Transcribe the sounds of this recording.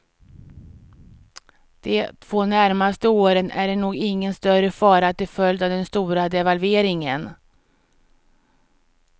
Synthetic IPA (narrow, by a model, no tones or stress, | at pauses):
d̪̥ɛt̪ʰvoːnæɾmast̪əoːɾənæ̰ɖɛɳuːɡɪŋːənst̪œɾəfɑːɾat̪ɪfœld̪avd̪ɛnst̪uːɾad̪ɛvalveːɾɪŋən